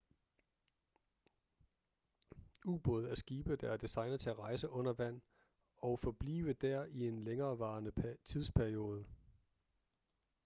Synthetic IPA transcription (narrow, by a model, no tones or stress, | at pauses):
ub̥ɔð̞̩ˠæɐsɡ̥iːb̥əd̥ɑæɐd̥isɑ̈ɪnɐðˠt͡sʰe̝æʁɑ̈ɪsəʔɔ̽n̰ɐʋæn̰ | ɒ̽ʊfɒ̽b̥lḭːʋəd̥æɐ̰ie̝nleŋɐːʋɑ̈ːnət͡sʰiðˠspʰæɐio̝ːð̞ˠə